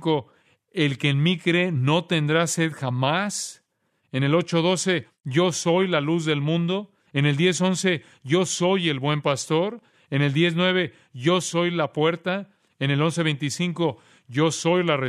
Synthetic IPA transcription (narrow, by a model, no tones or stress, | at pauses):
ko̞ | elkeːnmikɾe̞no̞t̪e̞nd̪ɾase̞ðxamas | ene̞lot͡ʃo̞ð̞o̞se̞ | ʝo̞so̞jlaluzðe̞lmũnd̪o̞ | ene̞ld̪je̞so̞nse̞ | ɟ͡ʝo̞so̞je̞lβwe̞mpast̪o̞ɾ | ene̞ld̪je̞znwe̞β̞e̞ | ʝo̞so̞jlapwe̞ɾt̪a | ene̞lo̞ns̬e̞β̞ejnt̪isiŋko̞ | ʝo̞so̞jlare